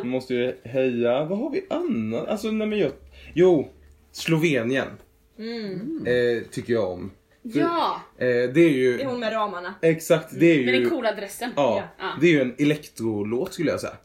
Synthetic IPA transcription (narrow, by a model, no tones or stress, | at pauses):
mɔst̪əvɪɦɛjːavaɦaɾvɪʔanːaʔalsɔnɛmɛnjɑjuː | slʊveːnɪən | t̪ʰʏkːəɾjaɔ̰m | s | d̪ɛæɾjɵɛɾɑːmanaɛksakt̪d̪ɛæɾjɵkʰuːlaad̪ɾɛsːəɑːd̪ɛæɾjɵɛnɛlɛkt̪ɾʊloːt̪skɵlːəjɑ̰sɛ̰jːa̰